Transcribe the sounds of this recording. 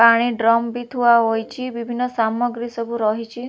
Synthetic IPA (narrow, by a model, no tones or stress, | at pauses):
paɽ̃iɖɾɔmbit̪ʰuaɦojt͡ʃʰibibʱinːɔsamɔɡɾisɔbʱuɾɔɦit͡ʃʰi